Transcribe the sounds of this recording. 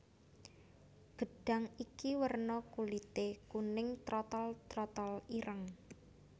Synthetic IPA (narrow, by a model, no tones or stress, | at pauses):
ɡ̥ə̤ɖ̥a̤ŋikiwərnɔkulit̪ekunɪŋt̪ɾɔt̪ɔlt̪ɾɔt̪ɔliɾʔəŋ